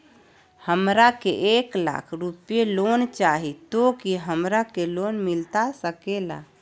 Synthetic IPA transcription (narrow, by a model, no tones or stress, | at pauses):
həmɾakḛʔekla̰kʰɾupijelont͡ʃaɦit̪okiɦəmɾakelonmilt̪asəkela̰